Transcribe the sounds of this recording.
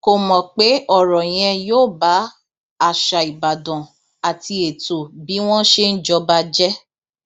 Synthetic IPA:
ko˨mɔ̃˨k͡pe˦ɔ˦˨ɾɔ˨j̃ɛ̃˧joː˦˨ba˨˦ | a˦˨ʃa˨i˨ba˨dɔ̃˨ | a˨ti˧e˨to˨bi˨˦w̃ɔ̃˦ʃe˦n̩˦d͡ʒɔ˧ba˧d͡ʒɛ˦

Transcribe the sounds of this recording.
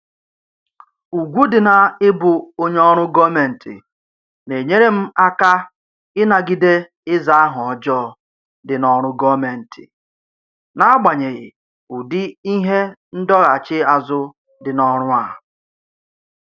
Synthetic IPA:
u˨ɡʷu˦dɪ˨na˨ɪ˦bʊ˨o˦ɲ˦ɔ˦ɾ̃ʊ˦ɡɔ˦me˨n̩˨tʰɪ̰˨ | ne˨ɲe˦ɾe˦m̩˦a˦ka˦ | ɪ˦na˨ɡɪ˦de˦ | ɪ˦za˨a˦ɦʊ˨ɔ˨d͡ʒɔ˦˨ | dɪ˨nɔ˨ɾ̃ʊ˦ɡɔ˦me˨n̩˨tʰɪ̰˨ | na˦a˦ɡ͡ba˨ɲe˨ɣɪ̰˨ | u˨dɪ˦i˦ɦe˦n̩˦dɔ˦ɣa˨t͡ʃɪ˦a˨zʊ˦ | dɪ˨nɔ˦ɾʊ˦a˨

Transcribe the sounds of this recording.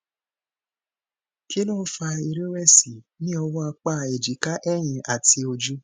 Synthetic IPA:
ki˦nũ˦fa˧i˧ɾe˦ɾɛ˦˨si˨ | nĩ˦ɔ˧wɔ˦a˧k͡pa˦˨e˨d͡ʒi˨ka˦ʔɛ˦˨j̃ĩ˧a˨ti˧o˧d͡ʒu˦

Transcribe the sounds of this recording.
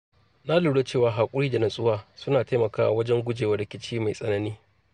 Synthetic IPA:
na˦luː˨ɽe˦t͡ʃeː˦˨waː˨ɦaː˨kʷʼʊ˦ɽiː˦da˨nɐ˨sʼʊ˦waː˦sʊ˦naː˨ta˦jmɐ˨kaː˦wa˦wɐ˦d͡ʒɛ˦ŋɡʷʊ˦d͡ʒeː˨wɐ˨ɽɪ˨kʲɪ˦t͡ʃiː˦ma˨jsʼɐ˦nɐ˦niː˦

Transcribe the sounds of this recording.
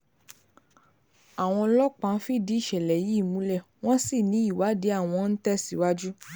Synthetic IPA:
a˨w̃ɔ̃˧lɔ˦k͡pã˧˦fi˦˨di˨˦˨ʃɛ˨lɛ˨ji˨˦˨mũ˨˦lɛ˦˨w̃ɔ̃˦si˦˨nĩ˨˦i˦˨wa˨˦de˨˦a˦˨w̃ɔ̃˧n̩˦tɛ˦si˨˦wa˦d͡ʒu˦

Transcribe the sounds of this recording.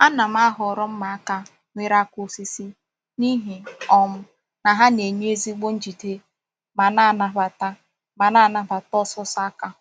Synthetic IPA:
a˦na˨m̩˦a˦ɦɔ˨ɾɔ˦m̩˦ma˨a˦ka˦ | ŋʷe˦ɾa˦ku˦˨si˦si˦ | ni˦ɦi˨ɔ˦m̩˦ | na˨ɦa˦ne˨ɲe˦e˦zi˦ɡ͡bo˦n̩˦d͡ʒi˨te˦ | ma˨na˦˨na˨βa˨ta˦ | ma˨na˦˨na˨ba˨tɔ˦sɔ˦sa˦ka˦ʊ˨

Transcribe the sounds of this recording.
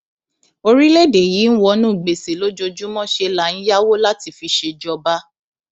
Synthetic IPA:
o˧ɾi˦le˦˨de˨jiː˨˦n̩˦wɔ˧nũ˦˨ɡ͡be˨se˨lo˦d͡ʒo˧d͡ʒu˦mɔ̃˦ʃe˧la˨˦n̩˦ja˦wo˦la˦ti˧fi˧ʃe˧d͡ʒɔ˧ba˦

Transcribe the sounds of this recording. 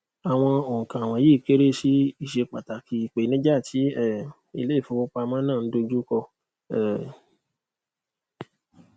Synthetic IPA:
a˨w̃ɔ̃˧o˨ŋ̩˨kã˨a˨w̃ɔ̃˧˨ji˦˨ke˦ɾe˦ʃi˦i˦˨ʃe˧k͡pa˨ta˨ki˧i˨k͡pe˨˦nĩ˦d͡ʒa˦˨tʰi˨˦ɛ˦˨ | ḭ˧le˦i˦˨fũ˧o˧˦k͡pa˧mãː˦nãː˦˨˦do˧d͡ʒu˦kɔ˧ | ɛ˦˨

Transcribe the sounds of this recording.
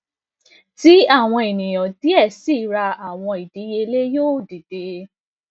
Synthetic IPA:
ti˨˦a˦˨w̃ɔ̃˧e˨nĩ˨j̃ɔ̃˨ti˨˦ɛ˦˨si˦˨˦ɾa˧a˨w̃ɔ̃˧i˨di˨˦je˧le˦joː˦˨di˨de˨˦

